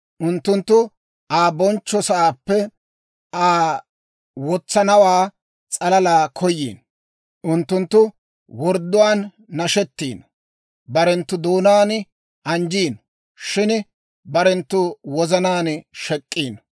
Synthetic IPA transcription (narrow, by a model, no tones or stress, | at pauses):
ʔʊnt̪ːʊnt̪ːʊ | ʔaːbɔnt͡ʃːɔsɐʔaːpːɛ | aː | wɔt͡sːɐnɐwaː | t͡sʼɐlɐlaːkʰɔjːḭːn | ʔʊnt̪ːʊnt̪ːʊ | wɔɾd̪ːʊwaːnː | ɐʃɛt̪ːiːn | bɐɾɛnt̪ːʊd̪oːnaːn | ʔɐnd͡ʒiːn | ʃɪn | bɐɾɛnt̪ːʊwɔzɐnaːnʃɛkʼːiːn